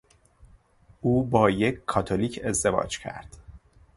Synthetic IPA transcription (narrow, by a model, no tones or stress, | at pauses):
ʔuːbɒːje̞cʰkʰːɒːt̪ʰoliːcʰe̞zd̪e̞vɒ̰ːd͡ʒcʰæ̰ɾd̪̥